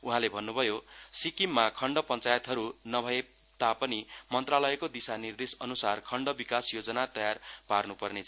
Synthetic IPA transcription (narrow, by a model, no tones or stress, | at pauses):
uɦãlebʱʌnːubʱʌjo | sikimːakʰʌɳɖʌpʌnt͡sajʌt̪ɦʌɾunʌbʱʌe | t̪apʌnimʌnt̪ralʌekod̪isanird̪esʌnusarkʰʌɳɖʌbikasjod͡zʌnat̪ʌjarparnupʌrnet͡sʰ